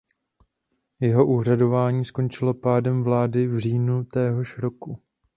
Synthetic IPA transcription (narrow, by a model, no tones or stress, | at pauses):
jɛɦo̞ʔuːɦr̝ado̞vaːɲiːsko̞nt͡ʃɪlo̞paːdɛmvlaːdɪvr̝iːnut̪ɛːɦo̞ʃɾo̞ku